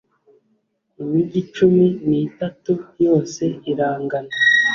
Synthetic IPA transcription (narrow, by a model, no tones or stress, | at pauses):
umiɟit͡ʃuminitatujo̞ːse̞iɾaːŋɡana